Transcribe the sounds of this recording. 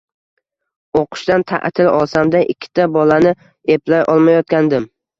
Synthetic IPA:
oqʰɨ̥ʃt̪ant̪ʰa̰ʔt̪ʰɪlɒlˠsamd̪aʔɪkʲʰːɪ̥t̪ʰabɒlanɪ | e̞plajʔɒlˠmajɒt̪̚kʲand̪ɪm

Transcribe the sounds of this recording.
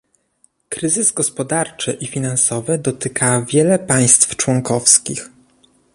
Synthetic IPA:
kɾɘzɘzɡɔspɔd̪aɾt͡ʂɘʔifʲinansɔvɘd̪ɔt̪ɘkʰavʲjɛlɛpaj̃st̪ft͡ʂwɔŋkɔfskʲix

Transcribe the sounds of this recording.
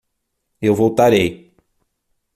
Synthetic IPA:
ewvowt̪aɾej

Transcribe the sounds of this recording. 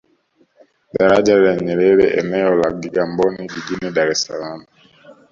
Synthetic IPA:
daɾad͡ʒalaɲɛɾɛɾɛ̰ʔɛ̰nɛɔlaɡiɡambɔniɟid͡ʒinidaɾɛsalamu

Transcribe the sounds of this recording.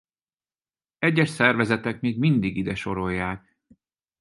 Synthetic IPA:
ɛɟːɛʃsɛrvɛzɛt̪ɛkmiːɡmind̪iɡid̪ɛʃo̞ɾo̞jːaːk

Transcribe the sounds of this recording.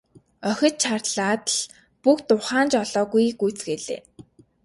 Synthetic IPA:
œxʲɪ̆t̪t͡ɕʰarɮaːt̪ɮ | pukt̪ʊχaːnt͡ɕɔɮɔːɣujɡujt͡sɡeːɮḛː

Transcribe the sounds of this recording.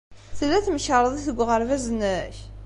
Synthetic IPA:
θəlːæθməçəɾˤəðˤiθəɡʷːʁəɾvæzənæç

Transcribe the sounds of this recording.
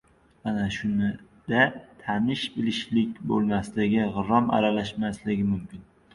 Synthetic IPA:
anaʃʊnɪ | d̪̥at̪ʰanɪʃbɪlɪʃlɪkʲbolˠmaslɪɡʲɪʁʊɾːɒma̰ɾalaʃmaslɪɡʲɪmʊmkʲʰɪn

